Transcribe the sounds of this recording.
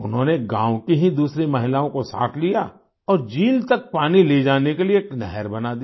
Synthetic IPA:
ʊnɦõːneɡãːwkiɦid̪uːsɾemɐɦɪlaːõkosa̰ːt̪ʰlija | ɔːɾd͡ʒiːlt̪ɐk̚paːniled͡ʒaːnekelieːknɛɦɛɾbɐnad̪i

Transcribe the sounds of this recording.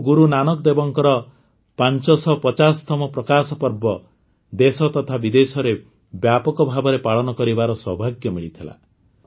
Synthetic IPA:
ɡuɾunanɔkɔd̪ebɔŋkɔɾɔ | pant͡ʃɔsɔpɔt͡ʃasɔ̥t̪ʰɔmɔpɾɔkasɔpɔɾbɔ | d̪esɔt̪ɔt̪ʰabid̪esɔɾe | bjapɔkɔbʱabɔɾepaɭɔnɔkɔɾibaɾɔswɔbʱaɡjɔmiɭit̪ʰila̰

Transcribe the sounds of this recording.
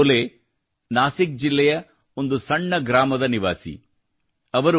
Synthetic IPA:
le | naːsik̚d͡ʒilːɛjɐ | o̞nd̪usɐɳːɐɡɾaːmɐd̪ɐniʋaːsḭ | ɐʋɐɾu

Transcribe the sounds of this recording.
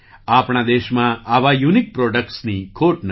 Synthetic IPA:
apɳ̃ad̪eʃmãaʋajunik̚pɾɔɖək̚ʈsnikʰoʈn

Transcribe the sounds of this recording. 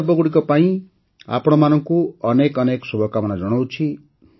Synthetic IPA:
bʌɡuɽikʌpaĩ | a̰pʰɽomanʌŋkoʌnekʌneksubʱʌkamʌnad͡zʌɽ̃ʌwt͡sʰi

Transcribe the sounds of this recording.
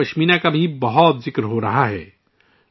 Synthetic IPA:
ɐʃmiːnakabʱibɐɦɔt̪zɪkɾɦoɾɐɦaɦɛ̰ː

